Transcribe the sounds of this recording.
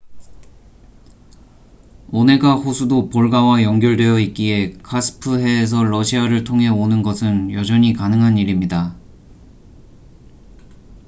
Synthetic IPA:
one̞ɡaɸusʰudopoɭɡawajʌŋɡjʌɭdwe̞jʌit̚k͈ie̞kʰasʰɯ̥pʰɯɦe̞ːs̬ʰʌɭʌɕʰiaɾɯɭtʰoŋɦe̞onɯnɡʌsʰɯnjʌd͡ʑʌɲikanɯŋɦaniɾimɲida

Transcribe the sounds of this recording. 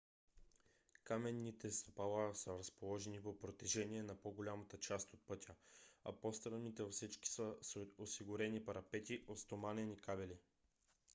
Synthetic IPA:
kamɛnːit̪ɛst̪ɐpalˠasəɾɐspolˠɔʒɛnipopɾot̪ɛʒɛniɛnɐpoɡolʲamət̪ət͡ʃast̪ot̪̚pɤt̪ʲəɐ̰post̪ɾənːit̪ɛvɐfsit͡ʃki̥səsosiɡʊɾɛnipɐɾɐpɛt̪ʲiʔot̪st̪omanɛnikabɛli

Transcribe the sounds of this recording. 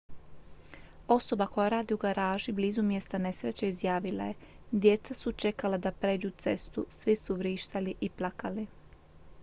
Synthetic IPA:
o̞so̞bako̞jaɾaːd̪iuɡaɾaːʒibliːzumje̞st̪ane̞sɾet͡ɕeizjaːʋila̰je̞ | d̪je̞t̪sasut͡ʃe̞kalad̪apɾe̞ːd͡ʒut̪se̞st̪usʋisuʋɾiːʃt̪aliʔiplakali

